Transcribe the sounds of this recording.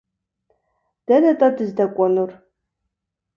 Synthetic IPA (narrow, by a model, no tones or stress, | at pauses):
d̥ɐnɐtʼɐdɨzdɐkʷʼɔnur